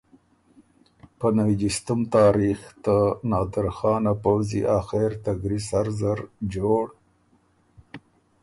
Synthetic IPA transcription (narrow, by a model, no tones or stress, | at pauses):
pənawid͡ʒist̪umt̪ɑːɾixt̪anɑːd̪ɪɾxɑːnapawzḭʔɑːxeɾt̪aɡɾisaɾzəɾd͡ʒoɽ